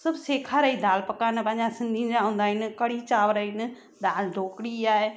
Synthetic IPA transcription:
sɐbseːkʰaɾəid̪aːlpɐkaːnpɐ̃ːɲd͡ʑãsɪ̃nd̪ʱĩnd͡ʑãɦũːnd̪aːɪnɪkɐɽit͡ɕaːʋɾəinɪ̆ | d̪aːlɖ̪ʱoːkɽiaːe

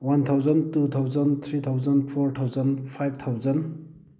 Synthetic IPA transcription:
want̪ʰawzəntut̪ʰawzənt̪ʰɾit̪ʰawzənpʰɔɾt̪ʰawzənpʰajb̚t̪ʰawzən

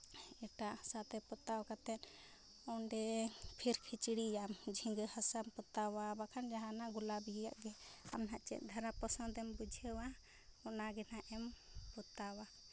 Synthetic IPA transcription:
ɛʈasat̪ɛpɔt̪awkat̪ɛn | ɔɳɖɛpʰiɾkʰit͡ʃiɽijamd͡ʒʱiŋɡəhasampɔt̪awabakʰand͡ʒaɦãnaɡulabija̰ʔɡɛa̰mɦaʔt͡ʃɛ̰ʔ̪̚d̪ʱaɾapɔsɔ̃d̪ɛmbud͡ʒʱewa | ɔnaɡɛnaʔɛmpɔt̪awa

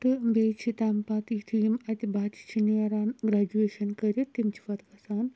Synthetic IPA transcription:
t̪ɨmbeːt͡ʃʰit̪ampat̪it̪ʰijimɐt̪ʲibat͡ʃʰi̥t͡ʃʰiniɐɾaːnɡɾaːd͡ʒueːʃɐnkɐɾʲit̪imt͡ʃʰiʋɐt̪kɐsaːn

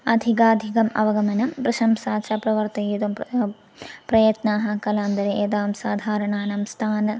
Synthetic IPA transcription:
ɐd̪ʱikaːd̪ʱikɐmɐ̰ʋɐɡɐmɐnɐmpɾɨʂɐmsaːʃaːpɾɐʋɐɾt̪ɐjud̪ɐm | pɾɐjɐt̪naːɦɐkɐlaːnd̪ɐɾeeːd̪aːmsaːd̪ʱaːɾɐɳaːnɐmst̪ʰaːnɐ

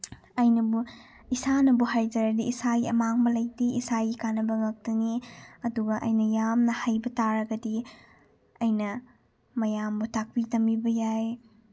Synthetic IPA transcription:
ɐjnɐbu | isanɐbuɦajd͡ʒɐɾɐdiisaɡiɐmaŋbɐlɐjdiʔisajikanːɐbɐŋɐk̚tɐniɐduɡɐʔɐ̰jnɐjamnɐhajbɐtaɾɐɡɐdi | ɐjnɐ | mɐjambutʰak̚pitɐmbibɐjaj

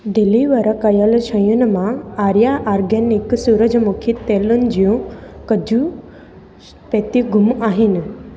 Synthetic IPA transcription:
d̪ɪliʋɐɾəkɐjəlʃʰə̃jʊnɪ̆mãaːɾjaʔaːɾɡenɪksuːɾəd͡ʑmukʰit̪eːlʊnɪ̆d͡ʑijũkɐd͡ʑʱu | pet̪iɡʱʊmaːɦɪnɪ̆

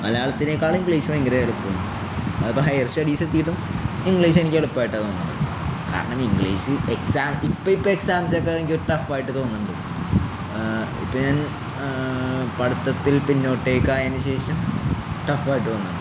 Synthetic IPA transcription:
nɐlɐjaːɭɐt̪ːineːkːaːɭiŋɡɭiːɕumaiŋɡɾɐɐɭupːoːnːu | ɐðɐpːoɦɐjɐrsɐɽiːsɐt̪ːiːʈːum | iŋɡɭiːɕ̬enikʲːeɽupːaːjʈːɐt̪oːnːuɳɖɨ̰ | ka̰ːɾɐɳɐmiŋɡɭiːɕɨeksaːmipːoipːoeksaːmsjokːeɐnikʲːoɾuʈɐfaːjiʈːɨt̪o̞ːnːuɳɖɨ | ḭpːoɲaːn | pɐɽut̪ːɐt̪ːilpinːo̞ːʈːeːkːaːjaːnuɕe̞ːɕɐmʈɐfaːjiʈːɨɐnːuɳɖɨ

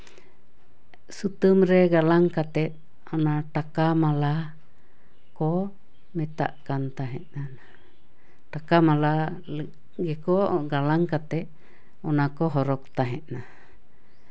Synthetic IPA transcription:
sut̪ɨmɾɛɡalaŋkat̪ɛt̪̚ | ɔnaʈakamala | kɔ | mɛt̪a̰ʔkant̪aɦɛ̰ʔ̪nana | ʈakamala | ɡɛkɔɡalaŋkat̪ɛt̪̚ | ɔnakɔɦɔɾɔkt̪aɦɛʔ̪na

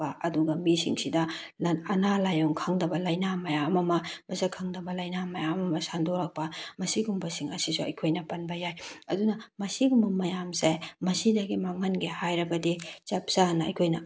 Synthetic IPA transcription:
ɐɐduɡɐmisḭŋsidɐ | ɐnalajoŋkʰɐŋdɐbɐlɐjnamɐjamɐmɐmɐsɐkʰaŋdɐbɐlɐjnamɐjamɐmɐsandoɾɐk̚pɐmɐsiɡumbɐsiŋɐsisuɐ̰jkʰojnɐpɐnbɐjajɐdunɐmɐsiɡumbɐmɐjamsemɐsidɐɡimaŋɐnɡehajɾɐbɐdit͡ʃɐp̚sanɐɐ̰jkʰojnɐ

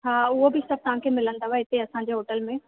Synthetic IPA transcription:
aːʊɦobisɐb̚t̪ɐɦãkʰemɪlə̃nd̪aɛɪt̪eɐsãɲ̆d͡ʑeɦoːʈəlmẽ

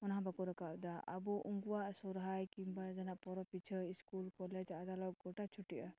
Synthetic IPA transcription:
ɔnɦãbakuɾɔkaʔd̪aa̰buʔuŋɡuwaʔsɔɾɦajkimbad͡ʒɛnaʔpɔɾɔpit͡ʃʰəiskulkɔlɛd͡ʒad̪alɔk̚ɡɔʈat͡ʃʰuʈiʔa

